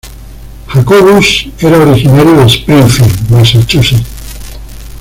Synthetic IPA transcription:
xakoɣuseɾaoɾixinaɾjoespɾiɱfilmesat͡ʃʼusi

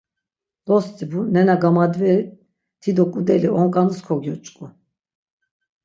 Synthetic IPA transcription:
d̪ɔst̪ʼibunɛnaɡamad̪vɛɾi | t̪ʰid̪ɔkʼud̪ɛliʔɔŋkʼanuskʰɔɡjɔt͡ʃʼkʼu

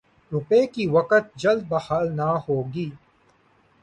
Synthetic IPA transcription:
ɾʊpeːkiːwɐkət̪̚d͡ʒɐld̪̚bɐhaːlnahoːɡiː

